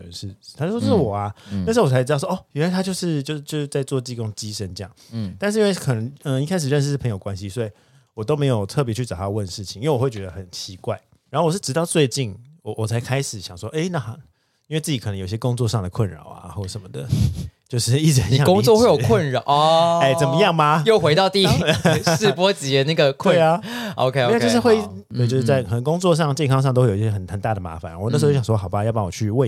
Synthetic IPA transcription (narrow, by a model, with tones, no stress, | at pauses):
nɻ̩ʰ˥˩a˥t͡ɕo˥˩ʂʂ̩˥˩wɔ˨˩a˦n˥˩ʂ̩˧˥˩t͡sʰa˥ʈ͡ʂɻ̩˧˥tɑ˥˧˩wɔ˥˩˧ɻa˧˥ɪt̪ʰa˥jo˥˧ʊʂɻ̩˥˧t͡ɕjo˥˧ʊ˧t͡ɕjo˥˧ʂ̩˧t͡sa˥˧ɪt͡swɔ˥˧t͡ɕi˥˩ko˥ŋt͡ɕi˦˥ʂə˦nʈ͡ʂɤ˥˧jɑ̰˥˨˩ŋt̪a˥˧nʂɻ̩˥i˥we˥˩kʰə˨˩nə˧˦ŋə˧i˥˩kʰa˥ɪʂ̬̩˨˩ɻə˥˧ʂ̬̩˥˧˥pʰə˧˦jo˨˩kwa˦nɕi˦sɔ˧˥i˨˩ | wɔ˨˩t̪o˥ʊme˧˥ɪjo˨ʊt̪ʰɤ˥˩pjɛ˧˥t͡ɕʰy˥˩ɑ˨˩t̪ʰa˥˦wə˥˨nʂɻ̩˥˩t͡ɕʰi̥˨ŋi˥we˩wɔ˨˩wt͡ɕɥɛ˧d̪ə˧xə˨˩nt͡ɕʰi˧˦kwa˥˩ɪ | ɻa˨˧˦xo˥˩wɔ˨˩ʂɻ̩˥˩ʈ͡ʂɻ̩˧t̪ɑ˥˧ʊt͡swe˥˧ɪt͡ɕi˥˩nwɔ˨˩wɔ˨˩t͡sʰa˧ɪkʰa˥ɪʂɻ̩˨˩ɕjɑ˨˩ŋʂwɔ˦˥ʔe˥˩ɪna˥˩x | i˥nwe˥˧ɪt͡sɨ˥˩t͡ɕi˨k̪ʰə˦ŋjo˨˩i˩ɕjɛ˥kʊ˥ŋt͡swɔ˥˧ʂɑ˥˩ŋd̪ə˩kʰwə˥˩nɻɑ̰˨˩ʊa̰˦xo˥˩ʂə˨˩nmə˩d̪ə̰˩t͡ɕjo˥˧ʊʂɻ̩˥˩˥i˥˩ʈ͡ʂɻ̩˧˩ə˨˦jɑ˥˧ʊ˥ŋt͡swɔ˥˧xwe˥˩jo˨kʰwə˥˩nɻe˥˩t͡sə˨˩nmə˦jɑ˥˩ŋma˨jo˥˩ʊxwe˧ɪt̪ɑ˥˧ʊt̪i˥˧˩ʂɻ̩˥˧pwɔ˥t͡ɕi˨˩ə˧˦na˥˩ɡə˩kʰw̪ə˥˧˥a˨o̰˧ʊkʰe˥˦o˧˥˧t͡ɕjʊʂɻ̩˥˧we˥˧ɪ | ɔ˨t͡ɕjo˥˧ʂ̩˥˧t͡sa˥˩ɪkʰnə˧˦˥ŋkʊ˥ŋt͡swɔ˥˧ʂ̬ɑ˥˧ŋt͡ɕjɛ˥˧nkʰɑ˥ŋʂ̬ɑ˥˧t̪o˥we˥˩jo˨˧˥ɕjɛ˥ə˨˩nxə˨˩nt̪a˥˩d̪ə˩ma̰˧˥fa˨˦na˧˥˩n̩̬˥˧˥jwɔ˥xɑ˨˩ʊba˦jpɑ˥ŋwɔ̰˨t͡ɕʰy˥˧we˥˧